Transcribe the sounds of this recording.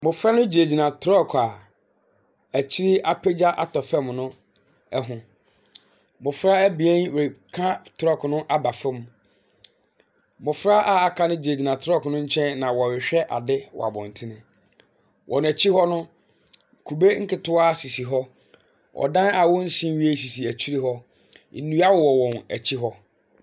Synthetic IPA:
mʊ̃˨fɾa˦nʊ̃˦d͡ʑe˨d͡ʑi˨nã˨tʰɾɔ˦˨kʰa˨ | æ˨t͡ɕʰi˦ɾi˦ʔa˦pʰe˦d͡ʑa˦ʔa̰˦tʰɔ˨fɛ˦mnʊ̃˦ | ɛ˦ɦʊ̃˨ | mʊ̃˨fɾa˦æ˦bi˨ẽ˦nwe˨kʰã˦tʰɾɔ˦˨kʰnʊ̃˦ʔa˦ba˨fɪ˦m˦ | mʊ̃˨fɾa˦ʔa˦˨a˨kʰã˦nʊ̃˦d͡ʑe˨di˨nã˨tʰɾɔ˦kʰnʊ̃˦ɲ̩˦t͡ɕʰɛ̃˦nnã˨wɔ˨wɪ˨ɕᶣɛ˦ʔa̰˨dɪ˦wɔ̰˨a̰˨bɔ̃˨n˨tʰɪ˦nɪ̃˦ | wʔɔ̃˨ñ˨æ˨t͡ɕʰi˦hɔ˦nʊ̃˦˨ | kʰu˨be˦ŋ̩˦kɪ˦tʰʊ˦a˦si˨si˨ɦɔ˦ | wʔɔ̰˨dã˦na˨wʊ˦n̩˦sĩ˦m˦ɥi˦e˦si˨si˨æ˨t͡ɕʰi˦ɾi˦ɦɔ˦˨ | nũ˦a˦wɔ˨wɔ˨wɔ̃˨næ̰˨t͡ɕʰi˦ɦɔ˦

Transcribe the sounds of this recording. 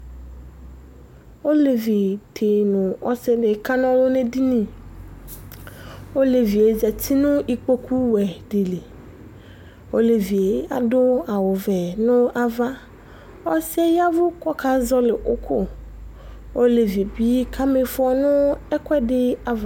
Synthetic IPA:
wo˦le˨vi˨tʰe˨nʊ̃˨ɔ˦se˦ɖɪ˨ka˦nɔ̃˦wo˦nẽ˦di˦nĩ˨ | o˦le˨vi˨e˨zɛ˨t̪i˦nʊ̃˦ʔi˨k͡po˦kʰu˦wɛ˨ɖe˨le˨ | wo̰˦le˨vi˨e˨˦a̰˨dʊ˦a˨wo˨vɛ˨nʊ̃˦a˨va˦ | ɔ˦se˦ja˦vʊ˦kɔ˦ka˦zɔ˦le˨ʔo̰˦kʰo˦ | o˦le˨vi˨bi˦kʰa˦me˨fɔ˨nʊ̃˦ɛ˦kwɛ˦ɖɪ˦a˨va˨

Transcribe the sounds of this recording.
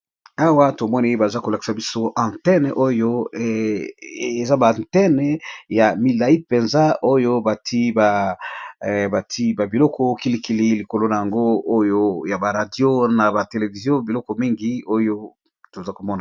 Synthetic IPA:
a˦wa˦to˨mɔ˦ni˨˦e˦ba˨za˦ko˨la˨ki̥˨sa˨bi˦so˦ʔã˨ntɛ˦n˨ʔo˦jo˦˨ | e˨za˦bã˨tɛ˦n˨ja˨mi˨la˨i˦pe˨nza˦ʔo˦jo˦ba˨tʰi˦ba˨ | ba˨tʰi˦ba˨bi˨lɔ˦kʰɔ˦ki˦li˦ki˦li˦li˨ko˨lo˦na˨ja˨ŋɡo˦o˦jo˦ja˨ba˨ʁa˨djo˦na˨ba˨te˨le˨vi˨zjɔ̃˦bi˨lɔ˦kɔ˨mi˦ŋɡi˦o˦jo˦ | to˨za˦ko˨mɔ˦na˨

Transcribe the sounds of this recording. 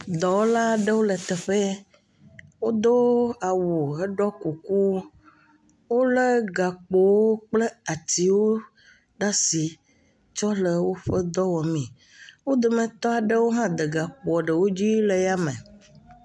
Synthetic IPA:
d̪ɔ˨wo˦la˦ɖə˦wo˦lɛ˨t̪ɛ˨ɸe˦ | wo˦d̪o˦a˨wu˨e˦ɖɔ˦ku˨ku˦ | wo˦lə˦ɡa˨k͡po˨wo˦k͡ple˦a˨t̪i˨wo˦ | ɖa˦si˨ | t͡ʃɔ˦lə˨wo˦ɸe˦d̪ɔ˦wɔ˨mĩ˨ | wo˦d̪e˨mɛ̃˨t̪ɔ˦a˨ɖə˦wo˦ɦã˦d̪e˨ɡa˨k͡po˨ɔ˨ɖə˨wo˦d͡ʑi˦le˨ja˦mɛ̃˨

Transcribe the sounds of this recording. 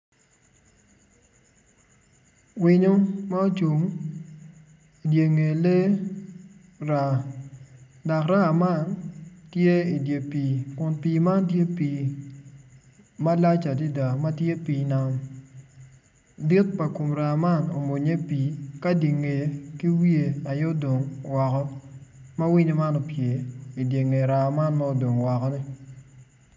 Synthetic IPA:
wi˦ɲo˦ma˦o˦t͡ʃu˨ŋ | i˨dje˨ŋe˨le˦ | ɾa˨ | da˨kɾa˦a˨ma˦˨ntje˦i˨dje˨piː˨kʊ˨npiː˨ma˦ntje˦piː˨ | ma˦la˦t͡ʃa˨di˦da˨ma˦tje˦piː˨na˨m | di˦t̚pa˨ko˨mɾa˨ma˦˨no˨mo˨ɲe˦piː˨ka˦di˨ŋe˨ki˦wi˦e˨a˨jo˦do˨ŋwɔ˨kɔ˦ma˦wi˦ɲe˦ma˦nɔ˨pje˨i˨dje˨ŋe˨ɾa˨ma˦nma˦o˨do˨ŋwɔ˨kɔ˦nɪ˦

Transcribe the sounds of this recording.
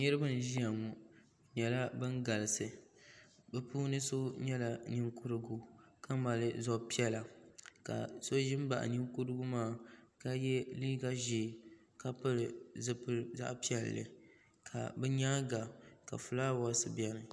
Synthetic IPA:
ɲɨ˦ɾɨ˦bɨ˦n˨ʒi˦ja˨mu˨ | ɲɛ˨la˦bɨ˦ŋɡa˨lɨ˨sɨ˨ | bɛ˦puː˦nɨ˦so˦ɲɛ˦la˨ni˦ŋku˦ɾɨ˦ɡu˦ka˦ma˨lɨ˦zɔ˦pi˦ɛ˦la˨ka̰˨so˦ʒɪ˦m˦ba̰˨ʔa̰˨ni˦ŋku˦ɾɨ˦ɡu˦maː˦˨ka˦jɛ˦liː˦ɡa˦ʒe˨ | ka˦pɨ˦ɾɨ˨zɨ˦pɨ˦za̰˦ʔpi˦ɛ˨lːɨ̰˨ | kʰa̰˨bɛ˦ɲa˦ɡa˨ka̰˨fu˨laː˦˨˦a˦sɨ˨bi˦ɛ˦nɨ˨

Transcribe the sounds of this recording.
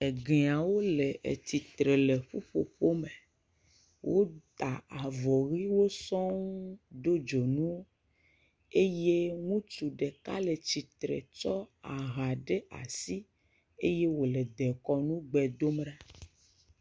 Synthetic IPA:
e˨ɡe˨a˨wo˦lɛ˨ʔḛ˨t̪i˨t̪ɾe˨le˨ɸu˦ɸo̰˨ɸo˦me˨ | wʔo˦t̪a˨a˨vɔ˨ɣi˦wo˦sɔ̃˦ŋ˦ɖo˦d͡ʒo˨nũ˦wo˦ | e˦je˦ŋũ˦t͡ʃu˨ɖe˨ka̰˦le˨t͡ɕi˨t̪ɾḛ˨t͡ʃɔ˦a˨ɣa˨ɖe˦ʔa̰˨si˦ | e˦je˦wo˨lɛ˨d̪ɛ˨kɔ˦nũ˦ɡ͡bɛ˨d̪o˦m˦ɖa˦

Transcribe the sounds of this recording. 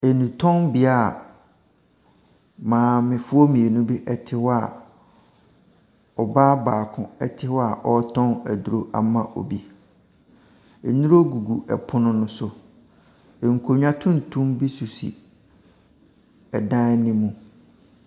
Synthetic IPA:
e˨nũ˨tʰɔ̃˦nbi˦a˨ | mãː˨˦mɪ̃˨fʊ˦ɔ˦mĩ˨e˨nũ˦bi˦ʔɛ˨tʰɪ˦wɔ˦a˨ | ɔ˨baː˦baː˨kʰʊ̃˨ɛ̰˦tʰɪ˦wɔ˦a˨ʔɔ˦tʰɔ̃˦næ˨du˨ɾo˦ʔa̰˨mã˦ʔo̰˨bi˦ | e˨nũ˦ɾo˦ɡu˨ɡu˨ʔɛ̰˨pʰʊ˦nʊ̃˦nʊ̃˦sʊ˨ | ŋ̩˨kʰo˨ɲᶣ˦ã˦tʰʊ̃˦n̩˨tʰũ˦mbi˦su˨sḭ˨ | ɛ˨dã˦nɪ̃˦mũ˨

